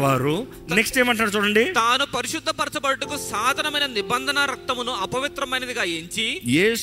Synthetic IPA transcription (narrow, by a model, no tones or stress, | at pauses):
ʋaːɾu | neksʈeːmaːɳʈ̬laːɽɐt͡ʃuːɽɐɳɖit̪aːnupɐɾiʃud̪ʱːɐpɐɾɐt͡ʃɐbɐɽɐʈukusaːd̪ʱɐnɐmɐjnɐnibɐnd̪ʱɐnɐɾɐk̚t̪ɐmunuɐpɐʋit̪ɾɐmɐjnɐd̪iɡaːeɲt͡ʃijeːs